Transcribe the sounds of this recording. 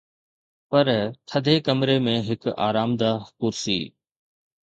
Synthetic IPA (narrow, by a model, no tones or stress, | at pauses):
pɐɾt̪ʰəd̪ʱekəmɾemẽɦɪka̰ːɾaːmd̪aːkʊɾsḭː